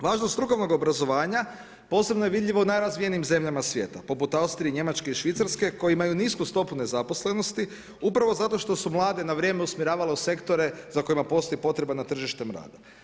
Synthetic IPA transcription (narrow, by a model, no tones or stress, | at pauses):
ʋaːʒnost̪t̪ɾuko̞ʋno̞ɡo̞bɾazo̞ʋaːɲa | po̞ːse̞bnojeʋid̪ʎʲiʋaunajɾazʋijeniːmze̞mʎamasʋje̞̰ːt̪apo̞put̪aust̪ɾieiɲe̞mat͡ʃke̞iʃʋit̪saɾske̞ko̞jeimajuniskust̪o̞pune̞zapo̞sle̞no̞st̪i | upɾaʋo̞zat̪o̞ʃt̪o̞sumlˠaːd̪e̞naʋɾje̞ːmeusmiɾaːʋaleuse̞kt̪o̞ɾe̞zako̞jimapo̞st̪o̞jipo̞t̪ɾe̞banat̪r̩ʒiʃt̪emɾa̰ːd̪a